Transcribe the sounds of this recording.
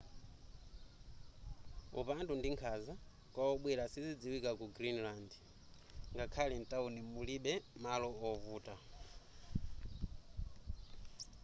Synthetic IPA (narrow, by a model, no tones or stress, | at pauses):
ṵpantundiŋkʰaza | kwaɔɓwɛɾasid͡zid͡ziwikakuɡɾinland | ŋɡakʰalɛntʼaunimuliɓɛmalɔɔvuːtʼa